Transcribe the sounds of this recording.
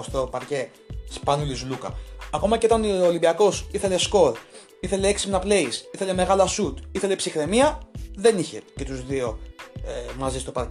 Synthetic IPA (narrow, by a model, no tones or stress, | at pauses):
st̪o̞pɐɾce̞ | spɐnulizlukɐ̰ːko̞mɐceo̞t̪ɐnoːlimbiɐko̞siθe̞le̞sko̞ɾ | iθe̞le̞eksipnɐple̞isiθe̞le̞me̞ɣɐlɐsut̪iθe̞le̞psixɾe̞miɐðe̞niçe̞ce̞t̪uzðio̞ | mɐzist̪o̞pɐɾc